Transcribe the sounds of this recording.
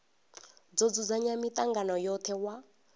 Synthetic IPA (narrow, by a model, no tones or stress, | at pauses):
d͡zod͡zud͡zaɲamit̪ʼaŋɡanɔjɔt̪ʰɛwa